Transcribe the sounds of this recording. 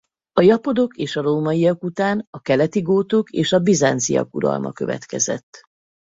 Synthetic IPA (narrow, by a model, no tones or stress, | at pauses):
ɒjɒpo̞d̪o̞keːʃɒɾoːmɒijɒkut̪aːnɒkɛlɛt̪iɡoːt̪o̞keːʃɒbizaːnt̪sḭjɒ̰kuɾɒ̰lmɒ̰kø̞vɛ̰t̪kɛzɛt̪ː